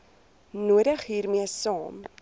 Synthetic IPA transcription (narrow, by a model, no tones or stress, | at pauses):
nuəɾəχɦiːrmiəsɑːm